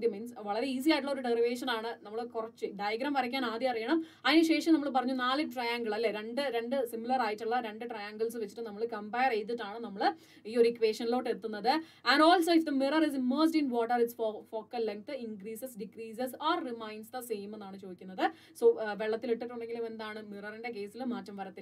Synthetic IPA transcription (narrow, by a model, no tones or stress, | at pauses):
jɐminsʋɐɭɐɾe̞iːs̬ijaːjʈ̬ːuɭːɐo̞ɾuɖeriʋe̞ːʂɐnaːɳɨnɐmːɐɭkurɐt͡ɕːɨɖajɐɡɾɐɐmʋɐɾɐk̬ʲːaːnaːd̪jɐɐrijːɐɳɐm | ɐðinɨɕe̞ːʂɐmnɐmːɐɭp̬ɐrɐɲːunaːlɨʈrɐjaːŋɡɐɭɐlːeɾe̞ɳɖɨɾeɳɖɨsimːilɐraːjiʈːuɭːɐɾe̞ɳɖɨʈrɐjaːŋɡɐɭsɨʋet͡ɕːi̥ʈːɨnɐmːɐɭkɐmbɐjɐrejt̪̬ːiʈːaːɳɨnɐmːɐɭ | iːo̞ɾikʋe̞ːʂɐnilo̞ːʈːe̞t̪ːunːɐðɨɐnɖoːlsɐːd̪ɐmirɐris̬imːɐːrsʈinʋoːʈːɐriʈsfofo̞ːkːɐlːeŋk̚t̪ɨiŋkriːsɐsɖikriːsɐsaːrrimɐjnɖsd̪ɐsejmenːaːɳɨt͡ɕo̞ːd̪ikʲːunːɐðɨ | soːʋeɭːɐt̪ːiliʈːiʈːuɳɖeŋɡilume̞nd̪aːɳɨmirɐrinde̞k̬e̞ːsilmaːtːɐmʋɐɾɐt̪ːe